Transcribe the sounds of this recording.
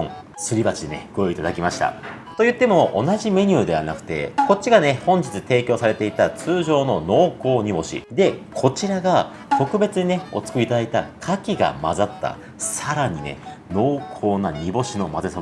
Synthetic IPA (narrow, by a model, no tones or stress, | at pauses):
õ | sɨɾʲibat͡ɕid̪ene̞̰ɡojoit̪ad̪akʲimaɕi̥t̪a̰ | t̪o̞jɯ̟t̪ːe̞mo̞ʔːnaʑime̞ɲ̟ʲɨːd̪e̞βanakɯ̟̥t̪e̞̰ko̞t͡ɕːiɡane̞hõ̞ɲ̟d͡ʑit͡sɨt̪e̞ːkʲo̞ːsaɾe̞t̪e̞it̪at͡sɨːʑo̞ːno̞no̞ːko̞ːɲ̟ibo̞ɕḭd̪e̞kʰo̞t͡ɕiɾaɡa | t̪o̞kɯ̟be̞t͡sɨɲ̟ineo̞t͡sɨ̥kɯ̟it̪ad̪ait̪a̰kʰakʲiɡa̰ma̰zat̪ːa̰ | saɾaɲ̟ine̞̰no̞ːkʰo̞ːnaɲ̟ibo̞ɕino̞mazeso